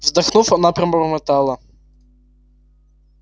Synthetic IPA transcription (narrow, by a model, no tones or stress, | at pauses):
vzd̪ɐxnufɐnapɾɐmɾmɨt̪alˠɐ